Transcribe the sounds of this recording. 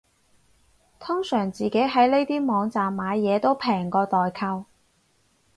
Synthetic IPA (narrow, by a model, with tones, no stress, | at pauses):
t̪ʰʊ˥ŋsœː˨˩ŋt͡siː˨ke˨˥jɦɐ˨˥jle˥jt̪iː˥mɔː˨˧ŋt͡saː˨mːaː˨˧jjɛː˨˧t̪o˥wpʰɛː˨˩ŋkɔː˧t̪ɔː˨jkʰɐ˧w